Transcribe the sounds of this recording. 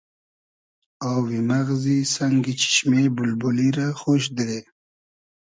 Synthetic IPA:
awwimaɣzisaŋɡit͡ʃi̥ʃmebulbuliɾaxoʃd̪ɾe

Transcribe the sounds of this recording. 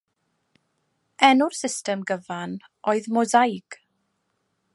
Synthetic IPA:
ɛnʊrsɪstɛmɡəvan | ɔɨðmɔzajɡ̥

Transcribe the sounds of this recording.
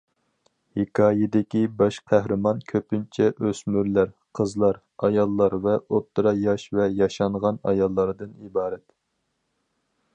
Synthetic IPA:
hikʰɑːjɪd̪ɪkʲibɑʃqʰæhɾɨmɑnkʲʰøpynt͡ʃʰɛʔøsmyɾlæɾ | qʰəzlˠɑɾ | ɑjɑlˠːɑɾvɛot̪ːɾɑjɑʃvɛjɑʃɑɴʁɑnɑ̰jɑlˠːɑɾɨd̪ɨnibɑːɾɛt̪

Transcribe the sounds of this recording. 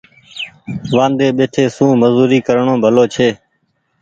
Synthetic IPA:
ʋãːnd̪eːɓeːʈʰeːsũːməzuːɾiːkəɾɳõːbʱəloːt͡ʃʰeː

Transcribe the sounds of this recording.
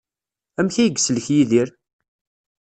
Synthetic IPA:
æmçæjəɡsələçjiðiɾ

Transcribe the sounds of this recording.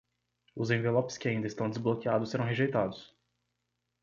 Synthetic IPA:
ʊzẽvelopɪ̥skɪaĩnd̪ɐɪst̪ɐ̃w̃d̪ɪzblokiad̪ʊsːeɾɐ̃w̃ɦeʒejt̪ad̪ʊs

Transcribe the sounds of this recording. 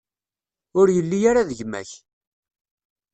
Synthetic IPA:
ʊɾjəlːijaɾaðəʝmæ̰ç

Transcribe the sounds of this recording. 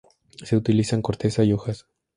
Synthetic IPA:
se̞ut̪ilisaŋko̞ɾt̪e̞saio̞xas

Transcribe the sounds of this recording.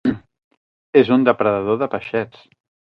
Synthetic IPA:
ezund̪əpɾəðəðoðəpəʃɛt͡s

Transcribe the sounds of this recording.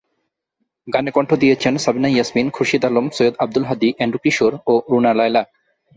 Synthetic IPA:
ɡanekɔɳʈʰod̪ijet͡ɕʰensabinajasminkʰuɾʃid̪alomsojod̪ab̚d̪ulɦad̪iʔɛɳɖukiʃoɾoɾunalajla

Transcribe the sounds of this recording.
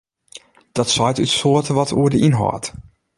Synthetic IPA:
d̥ɔtsɔjtytsoətəʋɔtʰuədəʔinɦɔ̰ːt

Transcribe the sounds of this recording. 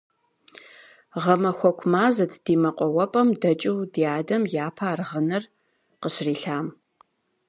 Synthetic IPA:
ʁɐmɐxʷɔkʷʰmaːzɐtʰd̥iːmɐqʷʼɔwɐpʼɐmdɐt͡ʃʼɪwdiaːdɐmjaːpʰaːrʁɐnɐr | qəɕriːɬaːm

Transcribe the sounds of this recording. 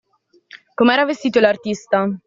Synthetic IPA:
komeɛːɾavest̪iːt̪olart̪ist̪a

